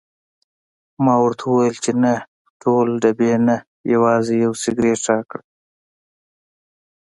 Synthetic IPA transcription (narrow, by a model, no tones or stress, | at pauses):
mɑːwʊɾt̪ʰawɐjəlt͡ʃena | ʈʰoːlɖɐbena | jɐwɑːzejɐwsɪɡɾeːʈɑːkɽə